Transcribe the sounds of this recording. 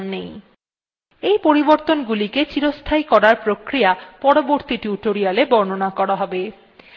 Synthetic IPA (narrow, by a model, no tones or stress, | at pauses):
nːej | ejpoɾiboɾt̪onɡuliket͡ɕiɾost̪ʰajkɔɾaɾpɾokɾijapɔɽoboɾt̪iʈuʈoɾialebɔɾnonakɔɾaɦɔbe